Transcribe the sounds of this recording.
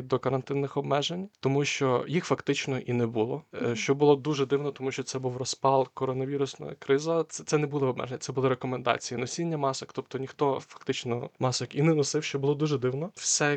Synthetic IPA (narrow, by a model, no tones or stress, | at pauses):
d̪ɔkɐɾɐnt̪ɪnːɪxɔbmɛʒenʲt̪ɔmuʃt͡ʃɔjixfɐkt̪ɪt͡ʃnɔʔinɛbulˠɔʃt͡ʃɔbʊlˠɔd̪uʒɛd̪ɪwnɔt̪ɔmuʃt͡ʃɔt̪sɛbuwrɔspɑlˠkɔɾɔnɐʋʲiɾʊsnɔ̰jɐ̰kɾɪzɐt̪sɛt̪sɛnɛbulˠɪɔbmɛ̰ʒenʲːɐt̪ɛbʊlˠɪɾekɔmend̪ɑ̰t͡sʲijinɔsʲinʲːɐmɑsɪkt̪ɔp̚t̪ɔnʲixt̪ɔfɐ̥k̚t̪ɪt͡ʃnɔmɑsɐkinɛnɔsɪwʃt͡ʃɔbʊlˠɔd̪uʒɛd̪ɪwnɔwsʲɛ